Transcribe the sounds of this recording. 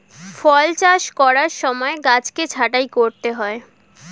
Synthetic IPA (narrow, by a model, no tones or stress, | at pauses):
fɔlt͡ɕaʃkɔɾaɾʃɔmɔeɡat͡ɕket͡ɕʰaʈajkoɾt̪eɦɔe